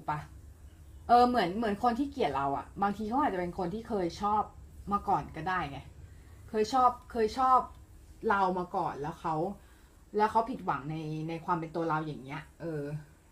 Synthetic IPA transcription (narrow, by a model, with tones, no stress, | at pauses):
pa˧ | ʔɤː˧mɯ˩˦ənmɯ˩˦ənkʰo˧nt̪ʰiː˥˩ki˨˩ət̪̚ɾa˧wʔa̰˨˩ʔbaː˧ŋt̪ʰiː˧a˥ʔa˨˩t͡ɕa˨˩pe˧nkʰo˧nt̪ʰiː˥˩kʰɤː˧jt͡ɕʰɔː˥˩p̚maː˧kɔː˨˩nkɔ˥˩daː˥˩jŋɛ˧˩kʰɤː˧jt͡ɕʰɔː˥˩p̚kʰɤː˧jt͡ɕʰɔː˥˩p̚ | la˧wmaː˧kɔː˨˩nlɛː˦˥wxʰa˦˥w | lɛː˦˥wkʰa˦˥wpʰi˨˩t̪̚wa˩˦ŋna˧jna˧jkʰwaː˧mpe˧nt̪u˧ɐɾa˧wjaː˨˩ŋni˦˥ɐʔʔɤː˧